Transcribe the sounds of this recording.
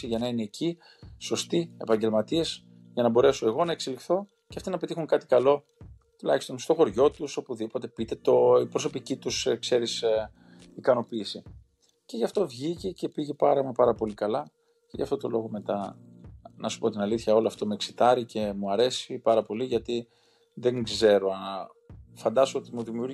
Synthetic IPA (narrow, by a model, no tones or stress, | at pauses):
iʝɐnɐine̞ːcʰi | so̞st̪ie̞̰pɐɲɟe̞lmɐt̪ies | ʝɐnɐbo̞ɾe̞so̞e̞ɣo̞nɐeksilixθo̞ | ceɐft̪inɐpe̞t̪ixuŋkɐt̪i̥kɐlo̞ | t̪ulɐçi̥st̪o̞nst̪o̞xo̞ɾʝo̞t̪uso̞puðipo̞t̪e̞pit̪e̞t̪o̞ipɾo̞so̞picit̪uskse̞ɾis | ikɐno̞piːsi | ceʝɐft̪o̞vʝicece̞piʝepɐɾɐmɐpɐɾɐpo̞likɐlɐ | cḛʝɐ̰ft̪o̞t̪o̞lo̞ɣo̞me̞t̪ɐ | nɐsu̥po̞t̪inɐliθçɐo̞loɐft̪o̞me̞ksi̥t̪ɐɾice̞muɐɾe̞sipɐɾɐpo̞liʝɐt̪i | ðe̞ŋɡze̞ɾo̞ɐnɐ | fɐnd̪ɐsoo̞t̪imuðimiuɾ